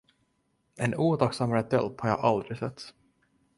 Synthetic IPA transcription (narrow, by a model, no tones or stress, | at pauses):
ɛnuːt̪ʰaksamɾɛt̪ɛ̰lp̪haɾjɑ̰ːʔald̪ɾɪsɛt̪ːs